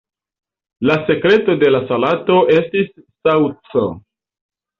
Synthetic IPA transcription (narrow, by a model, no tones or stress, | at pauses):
lase̞kɾe̞to̞de̞lasalato̞e̞stisːawt͡so